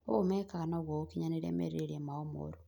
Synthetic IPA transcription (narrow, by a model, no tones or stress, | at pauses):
o̰omekaːnoɣwookiɲaneɾḛmḛɾeɾemaomo̰ɾu